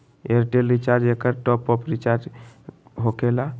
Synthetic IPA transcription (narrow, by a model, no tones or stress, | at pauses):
eɾʈelɾit͡ʃaɾd͡ʒekəɾʈɔpːɔpɾit͡ʃaɾd͡ʒ | ɦokela